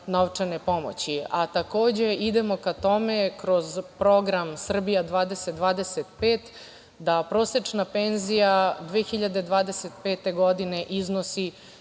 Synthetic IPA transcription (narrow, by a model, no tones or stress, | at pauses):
noʋt͡ʂanepo̞mo̰t͡ɕiat̪ako̞ːd͡ʑe̞id̪e̞mo̞kat̪o̞mekɾo̞zpɾo̞ɡɾamsr̩bijad̪ʋaːd̪e̞sed̪ʋaːd̪e̞set̪peːt̪ | d̪apɾo̞ːset͡ʂnapenzijad̪ʋexiʎad̪ed̪ʋaːd̪eset̪peːt̪e̞ɡo̞d̪ine̞ʔiznosi